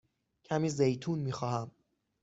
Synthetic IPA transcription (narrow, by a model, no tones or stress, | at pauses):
cʰæmiːzejt̪ʰuːnmiːxɒːhæm